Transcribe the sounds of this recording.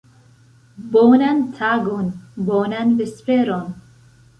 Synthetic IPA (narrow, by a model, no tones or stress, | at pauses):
boːnant̪ʰaɡonboːnanvispeɾon